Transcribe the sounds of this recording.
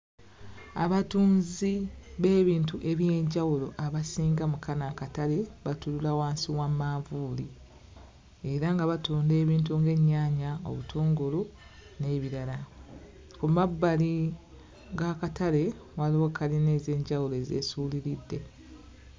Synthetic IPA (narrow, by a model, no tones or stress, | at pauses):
a̰βatuːnziβe̞ːβiːntuʔe̞βje̞ːɲɟawulo̞ʔaβasiːŋɡamukʰanakatale̞βatululawaːnsiwamaːvuːli | e̞ɾaŋɡaβatuːnde̞ːβiːnt̬uŋɡe̞ɲːaːɲao̞̰βutʰoːŋɡolu | ne̞ːβiɾala | kumabːali | ɡakatale̞waliwokaline̞ːze̞ːɲɟawuloe̞ːzḛːsuːliɾidːe̞